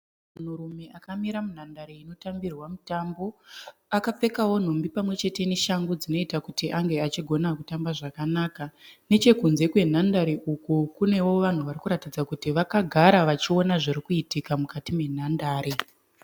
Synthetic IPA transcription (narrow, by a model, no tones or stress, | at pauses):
mun̤uɾume̞ʔakamiɾamun̤andaɾeino̞tambirwamutambo̞akap͡fe̞kawo̞n̤o̞mbipamwe̞t͡ʃe̞te̞neʃaŋɡod͡zino̞itakutiʔaŋɡe̞at͡ʃiɡʱo̞nakutambaʐakanakane̞t͡ʃe̞kunze̞kwe̞n̤andaɾeʔukukune̞wo̞ʋan̤uʋarikuɾatid͡zakutiʋakaɡʱaɾaʋat͡ʃio̞naʐiɾikuitikamukatime̞n̤andaːɾi